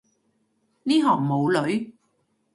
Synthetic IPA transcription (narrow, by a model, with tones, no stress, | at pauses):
niː˥ɦɔː˨˩ŋmo˨˧wlɵ˨˧˥ɥ